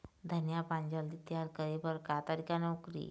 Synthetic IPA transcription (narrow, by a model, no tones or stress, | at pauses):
d̪ʱənjapãɲd͡ʑəld̪it̪jaɾkəɾibəɾkat̪aɾikanɔkɾḭ